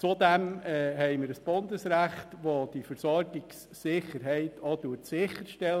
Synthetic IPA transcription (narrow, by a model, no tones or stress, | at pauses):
t͡sud̪æmɛɦɛɪməɾəsb̥ʊnd̪əsɾæχt̪ʋod̥ifəɾsɔɾɡɪksːɪχəɾɦɛɪtʰoduəɾtsɪχːəɾʃtɛl